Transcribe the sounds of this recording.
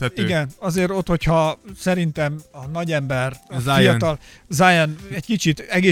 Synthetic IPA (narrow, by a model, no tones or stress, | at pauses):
iɡɛnɒzeːɾo̞t̪ho̞chɒsɛɾint̪ɛmɒnɒɟɛmbɛrfijɒɒlzajɛnɛɟkit͡ʃit̪ɛɡeː